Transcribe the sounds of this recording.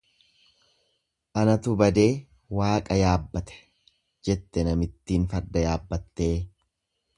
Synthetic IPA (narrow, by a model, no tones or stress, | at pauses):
ʔɐnɐt̪ʊbɐd̪e̞ː | waːkʼɐjaːbːɐt̪ɛ̥ | d͡ʒɛt̪ːɛnɐmɪt̪ːiːnfɐɾd̪ɐjaːbːɐt̪ːe̞ː